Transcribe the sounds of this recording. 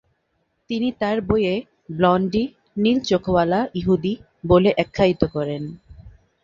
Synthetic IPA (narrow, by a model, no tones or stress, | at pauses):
t̪init̪aɾboje | blɔɳɖi | nilt͡ɕokʰowalaʔiɦud̪i | boleʔɛkʰːait̪okɔɾen